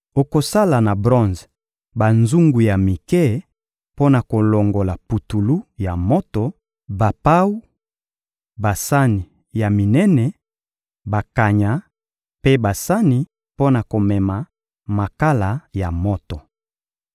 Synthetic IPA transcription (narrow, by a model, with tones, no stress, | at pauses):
o˨ko˨sa˦la˨na˨bʁɔ̃˦nz | ba˨nzu˦ŋɡu˨ja˨mi˨kɛ˦ | po˦na˨ko˨lo˨ŋɡo˨la˨pu˨tu˨lu˦ja˨mo˦to˨ | ba˨pa˦wu˦ | ba˨sa˦ni˨ | ja˨mi˨nɛ˦nɛ˨ | ba˨ka˨ɲa˨ | pe˦ba˨sa˦ni˨ | po˦na˨ko˨mɛ˨ma˨ | ma˨ka˦la˨ja˨mo˦to˨